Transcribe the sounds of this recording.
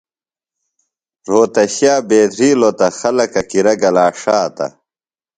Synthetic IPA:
ɾoːt̪ɐɕjaːbeːd̪ɾiːlot̪ɐxɐlɐkɐkiɾɐɡɐlaːʂaːt̪ɐ̰

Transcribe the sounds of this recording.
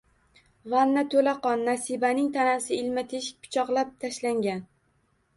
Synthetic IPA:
vannːat̪ʰolaqɒnːasibanɪŋt̪ʰanasɪɪlmat̪ʰeʃɪ̥k̚ʲpʰʊ̥t͡ʃʰɒqlˠap̚t̪ʰaʃlaŋɡʲan

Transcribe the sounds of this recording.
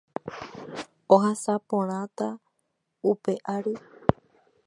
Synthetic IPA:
oɦasapõɾ̃ãt̪a | upe̞ʔaɾɨ

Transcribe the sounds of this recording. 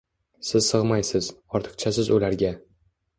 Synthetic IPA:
sɪz̥sɨʁmajsɪz̥ɒɾt̪ʰɨ̥qt͡ʃʰasɪzʊlaɾɡʲa

